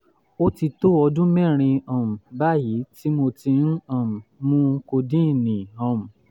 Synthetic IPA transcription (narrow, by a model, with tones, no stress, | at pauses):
o˦ti˧to˦ɔ˧dũ˦mɛ̃˦˨ɾ̃ĩ˧ɔ̃˨m̩̃˨ba˦˨ji˨˦ti˦mo˧ti˧nũ˦ɔ̃˦˨mũ˨mũ˦ko˧dĩ˦˨nĩ˨ɔ̃˨m̩̃˨